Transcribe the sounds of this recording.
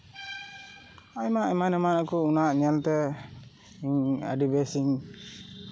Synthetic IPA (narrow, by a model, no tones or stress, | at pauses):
ajmaʔɛmanɛmanakɔunaʔɲɛlt̪ɛ | iɲə̰ɖibɛsiŋ